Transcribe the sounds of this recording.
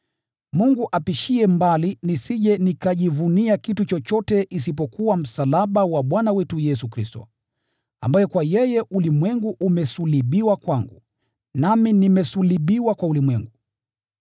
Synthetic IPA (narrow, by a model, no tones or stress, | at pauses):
muŋɡuʔapiʃiɛmbalinisiʄɛnikaʄivuniakitut͡ʃɔt͡ʃɔtɛʔisip̬ɔkuwam̩salaɓawaɓwanawɛtujɛsukɾistɔ̰ | a̰mbajɛkwajɛjɛʔulimwɛŋɡuʔumɛsuliɓiwakwaŋɡṵ | naminimɛsuliɓiwakwaulimwɛŋɡu